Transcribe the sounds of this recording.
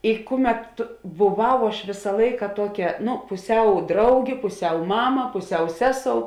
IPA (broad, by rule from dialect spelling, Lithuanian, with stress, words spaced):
ɪ ˈkʊˌmʲɛt tʊ bʊˈʋɐʊ ɐʃ ˈʋʲeːsɐ ˈlˠɐɪkɐ ˈtuɔˌkʲɛ ˈnʊ pʊˈsʲɛʊ ˈdrɐʊɡʲeː pʊˈsʲɛʊ ˈmɑːmɐ pʊˈsʲɛʊ ˈsʲæːˌsoːʊ